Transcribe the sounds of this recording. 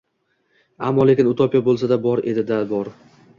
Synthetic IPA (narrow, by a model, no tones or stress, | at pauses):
amːɒle̞kʲɪnʊt̪ʰɒpijabolˠsad̪abɒɾe̞̰d̪ɪd̪abɒɾ